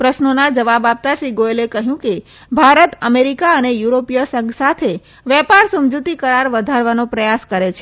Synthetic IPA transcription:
pɾəʃnonad͡ʒəʋabap̚t̪aʃɾiɡoelekəɦjũke | bʱaɾət̪əmeɾikaənejuɾopijəsə̃ŋɡsat̪ʰe | ʋjɛpaɾsəmd͡ʒut̪ikəɾaɾʋəd̪ʱaɾʋanopɾəjaskəɾet͡ʃʰe

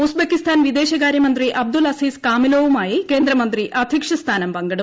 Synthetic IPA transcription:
usbekist̪ʰaːnʋid̪eːʃɐɡaːɾjɐmɐnt̪ɾiʔɐb̚d̪ulɐsiːskaːmiloːʋumaːjike̞ːnd̪ɾɐmɐnt̪ɾiʔɐd̪ʱikʂɐst̪ʰaːnɐmpɐŋɡɐɽu

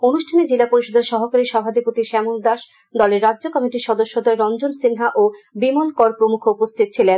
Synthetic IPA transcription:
onuʃʈʰaned͡ʑelapoɾiʃod̪ʱeɾʃɔɦokaɾiʃɔbʱad̪ipot̪iʃɛmuld̪aʃ | d̪ɔleɾːadːʑokɔmiʈiɾʃɔd̪oʃːod̪ɔeɾɔnd͡ʑonsinɦaʔobimonkɔɾpɾomukʰoupost̪ʰit̪̚t͡ɕʰilen

